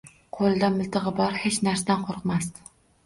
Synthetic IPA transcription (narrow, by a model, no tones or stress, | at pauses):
qʰolˠd̪amɪlˠt̪ʰɨʁɨbɒɾhet͡ʃnaɾsad̪anqʰoɾqmast̪